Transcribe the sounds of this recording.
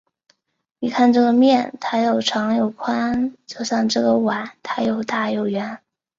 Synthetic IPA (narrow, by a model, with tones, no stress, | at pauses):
ni˨˩kʰa˥˧nʈ͡ʂɤ˥˩ɡə˩mjɛ˥˩nt̪ʰa˥jo˨˩ʊʈ͡ʂʰɑ˧˥ŋjo˨˩ʊkʰwa˥nt͡ɕjo˥˧ʊɕjɑ˥˧ŋʈ͡ʂɤ˥˩ɡə˩wa˨˩˦nt̪ʰa˥jo˨˩ʊt̪a˥˧jo˨˩ʊɥɛ˧˥n